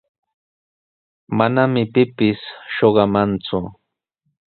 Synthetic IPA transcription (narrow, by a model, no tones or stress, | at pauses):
manamɪpɪpɪsʃoɢɑmant͡sʊ